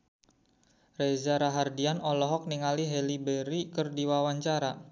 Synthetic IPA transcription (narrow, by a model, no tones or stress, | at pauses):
rezaɾaɦardianɔlɔɦɔk̚niŋaliɦɛlibeɾikərdiwawaɲt͡ʃaɾa